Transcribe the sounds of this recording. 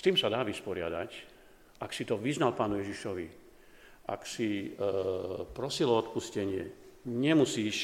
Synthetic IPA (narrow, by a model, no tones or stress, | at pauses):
st̪iːmsad̪aːʋispɔɾɪa̰d̪a̰c | aksit̪ɔʋiznalpaːnujɛʒiʃɔʋḭ | a̰ksi | pɾɔsilɔɔt̪puscɛɲɪɛ̰ɲɛmusiːʃ